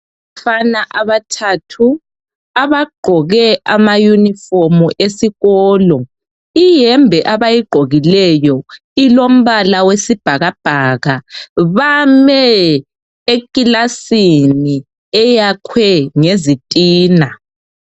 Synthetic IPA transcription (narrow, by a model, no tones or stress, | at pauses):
afanaʔaβatʰatʰu | aβaɡ͡ǃʱɔɣɛʔamajunifomuʔesiɣɔːlɔ | ijɛmbʱɛʔaβajiɡ͡ǃʱoɣilɛjɔ | ilom̩βalawesib̥ʱaɣab̥ʱaɣaβamɛ | ekʼilasini | ɛjakʰwɛŋezitʼiːna